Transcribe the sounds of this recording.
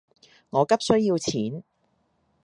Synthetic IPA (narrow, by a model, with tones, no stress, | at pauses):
ŋɔː˨˧kɐ˥p̚sɵ˥jiː˧wt͡sʰiː˨˥n